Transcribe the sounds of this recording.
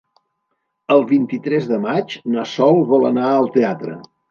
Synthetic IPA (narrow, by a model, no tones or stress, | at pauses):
əlˠβint̪it̪ɾɛzðəmad͡ʒnəsɔlˠβɔlˠənaəlˠt̪eat̪ɾə̰